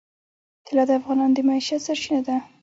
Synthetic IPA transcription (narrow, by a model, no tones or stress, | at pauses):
t̪ʰɪlɑd̪afɣɑnɑnd̪əmaiʃat̪saɾʃinad̪a